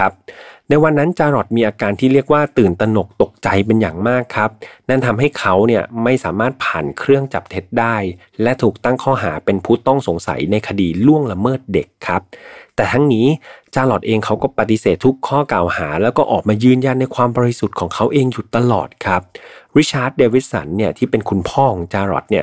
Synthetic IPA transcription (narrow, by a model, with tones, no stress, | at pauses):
a˦˥p̚na˧jwa˧nːa˦˥nt͡ɕaː˧lɔ˨˩t̪̚miː˧ʔaː˧kaː˧nt̪ʰiː˥˩ɾi˥˩ək̚waː˥˩t̪ɯː˨˩nt̪a˧no˨˩k̚t̪o˨˩k̚t͡ɕa˧jp̬e˧nja̰ː˨˩ŋmaː˥˩kʰːa˦˥p̚na˥˩nt̪ʰa˧mɦa˥˩jkʰa˦˥wni˥˩ɐma˥˩jsaː˩˦maː˥˩t̪̚pʰaː˨˩nkʰɾɯ˥˩əŋt͡ɕa˨˩p̚t̪ʰe˦˥t̪̚daː˥˩j | lɛ˦˥ʔt̪ʰuː˨˩k̚t̪a˥˩ŋkʰɔː˥˩ɦa̰ː˩˦pe˧npʰuː˥˩t̪ɔ˥˩ŋso˩˦ŋsa̰˨˩˦jna˧jkʰa˧diː˧lu˥˩əŋla˧mɤː˥˩t̪̚de˨˩kʰːa˦˥p̚t̪ɛː˨˩t̪ʰa˦˥ŋniː˦˥t͡ɕaː˧lɔ˨˩t̪̚ʔeː˧ŋkʰa˦˥wkɔː˥˩pa˨˩t̪ːi˧˦seː˨˩t̪ʰːu˦˥kʰːɔː˥˩kaː˨˩whaː˩˦lɛː˦˥wkɔː˥˩ʔɔː˨˩k̚maː˧jɯː˥˩njaː˥˩n̚ːa˧jkʰwaː˧mbɔː˧ɾi˧su˨˩t̪̚kʰɔː˩˦ŋkʰa˦˥wʔeː˧ŋju˨˩t̪ːa˧lɔ̰ː˨˩t̪̚kʰɾa˦˥p̚ɾi˦˥t͡ɕʰaː˦˥t̪̚deː˧wi˦˥t̪̚sa̰˩˦nːi˥˩ət̪ʰiː˥˩pe˧nkʰu˧npʰɔː˥˩˨ŋ˧ŋt͡ɕaː˧ɾɔ̰˨˩t̪̚ni˥˩ɐ